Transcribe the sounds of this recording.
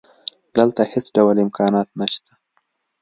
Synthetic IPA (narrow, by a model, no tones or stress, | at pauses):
d̪əlt̪ahesɖawalɪmkʰɑnɑt̪̚naʃt̪ʰa